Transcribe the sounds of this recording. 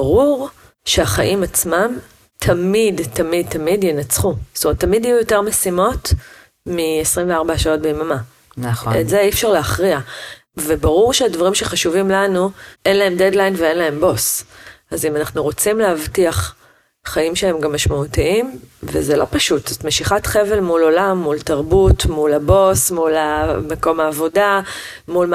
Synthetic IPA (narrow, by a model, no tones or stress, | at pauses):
baʁuʁ | ʃeaχaʔimat͡smam | tʰɐmidtɐmid̚t̪ɐmidjɛnat͡sχust̪omʁet̪ːamidajujo̞te̞ʁmesimo̞t | miesʁimveaʁbaʃao̞t̚beimama | nḛzeifʃaʁleaχʁia | vebaʁuʁʃeadvaʁimʃe̞χaʃuvimlanuʔe̞nlaɦe̞mdedlajnveenlae̞mbo̞sʔazimanaχnuʁo̞t͡simleavtiaχ | χaimʃee̞mɡamːaʃmautiimvḛzelo̞paʃutz̥otmeʃiχatχevelmulo̞lamːultaʁbutmulabo̞smulamekomaːvo̞da | mulm